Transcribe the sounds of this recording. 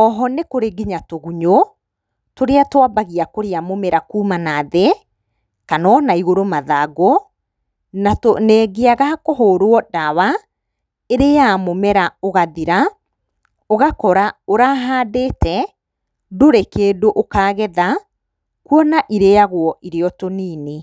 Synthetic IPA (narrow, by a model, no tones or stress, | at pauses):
ɔɦɔnekoɾeɡiɲatoɣuɲo | toɾeatwabaɣiakoɾeamomeɾakuːmanaðe | kanɔnaiɣoɾomaðaɡo | natonɛɡeaɣakoɦoːɾoɔdawa | eɾejamomɛɾaoɣaðiɾa | oɣakɔɾaoɾaɦaːdetʰɛ | doɾekeːdoʔokaːɣɛða | kuɔnaʔiɾejaɣwɔʔiɾeɔtoniːne